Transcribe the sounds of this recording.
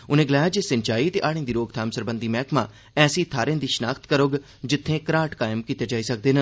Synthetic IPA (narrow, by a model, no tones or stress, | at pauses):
ʊnẽːɡəlaːjaːd͡ʒeːsənt͡ʃaːiːt̪eːʔaːɽẽːd̪iːɾoːɡt̪ʰaːmsəɾbə̃nd̪iːmɛːkmãː | ɛːsiːt̪ʰaːɾẽãːd̪iːʃənaːkʰt̪kəɾoɡ | d͡ʒɪt̪ʰːẽːkəɾaːʈkaːɪmkiːt̪eːd͡ʒaːiːsək̚d̪eːnə